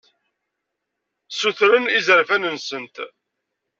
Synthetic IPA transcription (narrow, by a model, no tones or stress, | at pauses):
suθɾənizəɾfænənsənt̪